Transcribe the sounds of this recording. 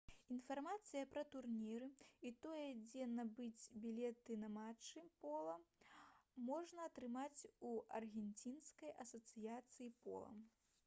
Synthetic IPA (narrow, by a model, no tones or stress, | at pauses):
in̪farmat̪sɨjɐpɾɐt̪urnʲiɾɨit̪ɔjɛd͡zʲɛnɐbɨd͡zʲbʲilʲɛt̪ɨnɐmat͡ʂːɨpɔlˠɐ | mɔʐnɐːt̪ɾɨmat͡sʲuɐrɣʲɛnʲt͡sʲinskɐjʔɐsɐt̪sɨjat̪sɨjipɔ̰lˠɐ̰m